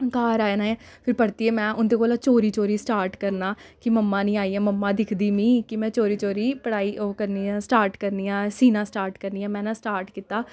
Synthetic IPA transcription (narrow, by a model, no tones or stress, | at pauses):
kaːɾaːenaːẽːpʰɪɾpəɽt̪iːeːmɛ̃ːʔʊnd̪eːkoːlaːt͡ʃoːɾiːt͡ʃoːɾiːsʈaːɾʈkəɾnaːkɪməmːãːnĩːaːiːãːməmːãːd̪ɪkʰd̪iːmĩːkɪmɛ̃ːt͡ʃoːɾiːt͡ʃoːɾiːpəɽaːiːoːkəɾniːãːsʈaːɾʈkəɾniːãːsiːnãːsʈaːɾʈkəɾniːãːmɛ̃ːnãːsʈaːɾʈkiːt̪ːaː